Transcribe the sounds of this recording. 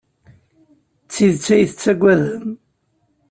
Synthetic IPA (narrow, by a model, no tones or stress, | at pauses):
t͡sːiðt͡sːæjθət͡sːæɡʷæðəm